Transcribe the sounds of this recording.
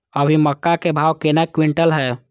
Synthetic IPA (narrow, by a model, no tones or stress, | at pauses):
əbʱiməkːakebʱaːʋkenakwɪ̃ɳʈəlɦɛː